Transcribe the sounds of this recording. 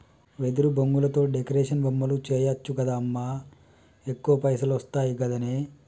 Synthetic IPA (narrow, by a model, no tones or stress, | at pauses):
ʋed̪uɾuboŋɡulɐt̪o̞ːɖekɐɾeːʂɐnbɐmːɐlut͡ʃɛːjɐt͡ʃːukɐd̪aːmːaː | ekːuʋɐpɐjsɐlɐst̪aːjiɡɐd̪ɐneː